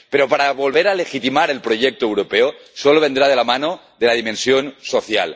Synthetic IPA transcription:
peɾopaɾaβolβeɾalexit̪imaɾe̞lpɾoʎek̚t̪oewɾopeosoloβ̞end̪ɾað̞elamano | ðelað̞imẽnsjonsoθja̰l

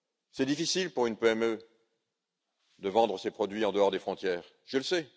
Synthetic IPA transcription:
sɛd̪ifisilpuʁynpeɛmø | d̪əvɑ̃d̪ʁəsepχɔd̪ɥiɑ̃d̪əɔʁd̪efχɔ̃t̪jɛːʁ | ʒələsɛ

